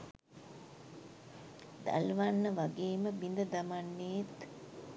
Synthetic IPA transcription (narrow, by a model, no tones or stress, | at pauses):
d̪a̰lʋanːəʋaɡeːməbind̪əd̪ɐmanːeːt̪